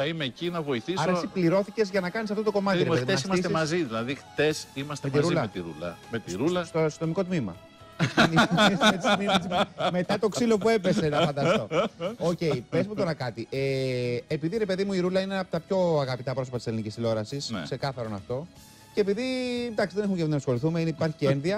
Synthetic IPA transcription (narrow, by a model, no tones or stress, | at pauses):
θɐimeːcinɐvo̞iθisɐɾɐessipliɾo̞θice̞zʝɐnɐkɐnisɐft̪ot̪o̞ko̞mɐt̪iɾeðimesimɐsst̪emɐziðilɐðixt̪e̞simɐst̪et̪iɾulɐmet̪iɾṵlɐ̰met̪iɾulɐsoso̞miko̞t̪mimɐ̰ | nsmet̪smimɐsme̞t̪ɐt̪o̞ksilo̞pue̞pesenɐfɐnd̪ɐst̪o̞oce̞ipezmut̪o̞ɾɐkɐt̪ieepiðiɾe̞pe̞ðimuiɾulɐineɐot̪ɐpço̞ɐɣɐpit̪ɐpɾoso̞pɐt̪ise̞linicisθilo̞ɾɐsisse̞kɐθɐɾo̞nɐft̪o̞ | ce̞piðid̪ɐksiðene̞xumecenɐsxo̞liθumeineipɐɾçiceenðiɐ